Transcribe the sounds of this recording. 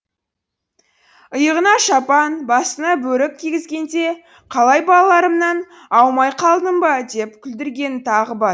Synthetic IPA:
əjəʁənɑʃɑpɑnbɑsənɑbɵɾɪk̚ʲʰːiɡʲɪzɡʲe̞nd̪e̞ | qʰɑlˠɑjbɑlˠɑlˠɑɾəmnɑn | ɑwmɑjqʰɑlˠd̪əmbɑd̪e̞p̚kʲʰʏld̪ɪɾɡʲe̞nt̪ʰɑʁəbɑ

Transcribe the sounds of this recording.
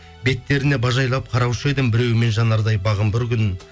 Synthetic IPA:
be̞t̪ːe̞ɾɪne̞bɑʒɑjlˠɑp̚qʰɑɾɑwʃəe̞d̪ɪmbɪɾe̞wɪme̞nʒɑnɑɾd̪ɑjbɑʁəmbɪɾkʲʰʏnɪ

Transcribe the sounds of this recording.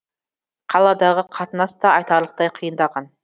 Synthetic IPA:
qʰɑlˠɑd̪ɑʁəqʰɑt̪ənɑst̪ɑɑjt̪ɑɾlˠəq̚t̪ɑjqʰijənd̪ɑʁɑn

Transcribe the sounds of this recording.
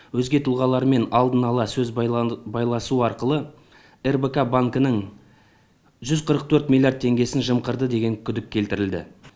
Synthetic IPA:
wɵzɡʲe̞t̪ʰʊlˠʁɑlˠɑɾme̞nɑlˠd̪ənɑlˠɑsɵzbɑjlˠɑsuɑɾqəlˠə | e̞rbekabaŋkənəɴ | ʒʏzqʰəɾəqt̪ʰɵɾt̪mʲilʲˠjard̪̚t̪ʰe̞ŋɡʲe̞sɪnʒəmqəɾd̪əd̪e̞ɡʲe̞ŋkʲʰʏd̪ɪk̚ʲʰːe̞lt̪ɪɾɪld̪ɪ̰

